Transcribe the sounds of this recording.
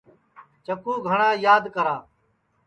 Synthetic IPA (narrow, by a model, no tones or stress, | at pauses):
t͡ʃəkuːɡʱəɳãːjaːd̪kəɾaː